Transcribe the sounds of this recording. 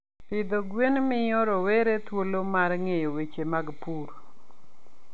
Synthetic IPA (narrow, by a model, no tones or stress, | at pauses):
pɪd̪oɡwenmɪjɔɾɔweɾet̪wolomarŋejowet͡ʃemaɡpuɾ